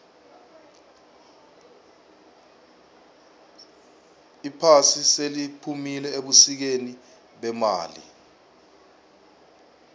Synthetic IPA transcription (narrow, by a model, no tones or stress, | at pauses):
ipʰasiselipʰumilɛeɓusik̬eni | ɓɛma̰ːlḭ